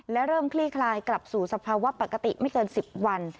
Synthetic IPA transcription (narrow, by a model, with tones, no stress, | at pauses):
lɛ˦˥wɾɤː˥˩mkʰliː˥˩kʰlaː˧jkla˨˩p̚suː˨˩sa˧pʰaː˧wa˦˥pa˨˩kːa˧t̪ḭ˨˩ma˥˩jkɤː˧nsi˨˩p̚wa˧n